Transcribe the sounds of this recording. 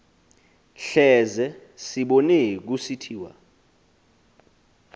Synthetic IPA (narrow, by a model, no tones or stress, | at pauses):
ɬɛzɛsiɓɔnɛk̬usitʰiːwa̰